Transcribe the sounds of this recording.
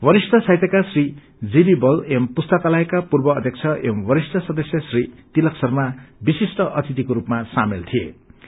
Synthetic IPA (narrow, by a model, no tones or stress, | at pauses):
bʌɾist̪ʌsajt̪ʌkasri | d͡zibibʌlempust̪ʌkalaekapurbʌːd̪ʱjʌk̚t͡sʰʌʔembʌɾist̪ʰʌsʌd̪ʌsjʌsrit̪ilʌksʌrmabisisʈʌʔʌt̪it̪ikoɾupmasamelt̪ʰiḛ